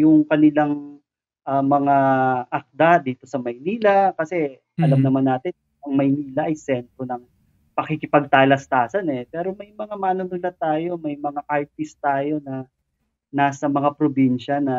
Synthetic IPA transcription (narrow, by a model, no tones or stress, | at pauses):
jʊŋkɐnɪlaŋ | ʔɐmɐŋaʔɐk̚d̪ad̪iːt̪o̞sɐmɐjniːlɐkɐsɛ | ʔɐlɐmnɐmanːaːt̪ɪn | ʔɐŋmɐjniːlɐʔɐjsɛnt̪ɾonɐŋ | pɐkɪkɪpɐɡ̚t̪alɐst̪aːsɐnɛpɛːɾo̞mɐjmɐŋamaːnʊnʊlat̪aːjo̞mɐjmɐŋaʔaɹt̪ɪst̪aːjo̞nɐ | naːsɐmɐŋapɾobinʃɐnɐ